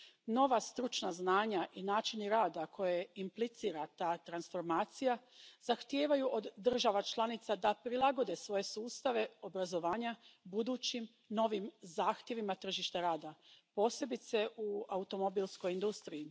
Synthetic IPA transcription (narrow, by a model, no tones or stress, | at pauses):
no̞ʋast̪ɾut͡ʃnaznaːɲaʔinaːt͡ʃiniɾaːd̪akʰo̞jeimplit̪siːɾat̪aːt̪ɾansfo̞ɾmaːt̪sijazaxt̪jeːʋajuʔod̪ːr̩ʒaʋat͡ʃlˠanit̪sad̪apɾilˠaɡo̞d̪e̞sʋo̞je̞suːst̪aʋe̞o̞bɾazo̞ʋaːɲabud̪uːt͡ɕim | no̞ʋimzaːxt̪je̞ʋimat̪r̩ʒiʃt̪aɾaːd̪apo̞ːse̞bit̪se̞ʔuaut̪o̞mobiːlˠsko̞jind̪ust̪ɾijː